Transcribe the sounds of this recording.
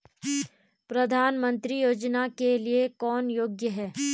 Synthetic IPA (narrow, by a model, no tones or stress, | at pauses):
pɾɐd̪ʱaːnmə̃nt̪ɾijoːd͡ʒnakeliekɔːnjoːɡjəɦɛː